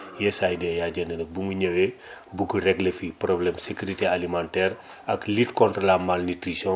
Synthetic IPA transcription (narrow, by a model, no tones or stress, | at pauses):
jɛsajdɛjaɟɛndənɐk̚buŋɡuɲɐwɛbukurɛɡlefiprɔblɛmsekuɾitealimãntɛːɾ | ɐklitkɔntrolamalnitɾisɔ̃